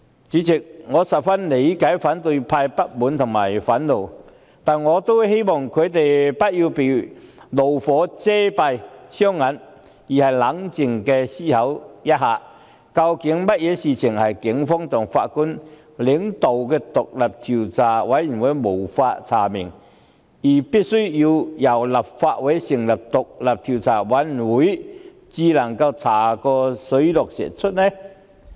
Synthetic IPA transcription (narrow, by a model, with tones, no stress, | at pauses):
t͡siː˨˥t͡sɪ˨k̚ŋɔː˨˧sɐ˨˩p̚fɐ˥nle˨˧jkaː˨˥jfaː˨˥nt̪ɵ˧ɥpʰaː˧jpɐ˥t̚muː˨˥nt̪ʰʊ˨˩ŋmaː˨˩jfɐ˨˥nlo˨˩w | t̪aː˨nŋɔː˨˧t̪o˥wɦe˥jmɔː˨˩ŋkʰɵ˨˧ɥt̪e˨jpɐ˥t̚jiː˧wpe˨˩jlo˨˩wfɔː˨˥t͡sɛː˥pɐ˧jsœː˥ŋːɐ˨˥n | jiː˨˩hɐ˨˩jlɐ˨˥ŋt͡sɪ˨˩ŋkɛː˧siː˥hɐ˨˥wjɐ˥t̚haː˨˧ | kɐ˧wkɪ˨˥ŋmɐ˥t̚jɛː˨˧siː˨t͡sʰɪ˨˩ŋhɐ˨jkɪ˨˥ŋfɔː˥ŋt̪ʰʊ˨˩ŋfa̰ː˧˥t̚ku˥n | lɪ˨˥ŋt̪o˨wkɛː˧t̪ʊ˨k̚lɐ˨˩p̚t̪ʰi˨˩wt͡saː˨˩wa˨˥ji˨˩nwɐ˨˦˥jmo˨˩wfaː˧tt͡sʰaː˨˩mɪ˨˩ŋ | ji˨˩pi˦˥t̚su˥ji˧jɐ˨˩wlɐ˨˩p̚faː˧t̚we˨˦˥jsɪ˨˩ŋlɐ˨˩p̚t̪ʊ˨k̚lɐ˨˩p̚t̪ʰi˨˩wt͡sʰaː˨˩wɐ˨˦˥n˨wu˨˦˥j | t͡siː˧lɐ˨˩ŋkɐ˧wt͡sʰaː˨˩kɔː˧sɵ˨˥ɥlɔ˨k̚sɛ̰˨˩t͡sʰʊ˥t̚ne˧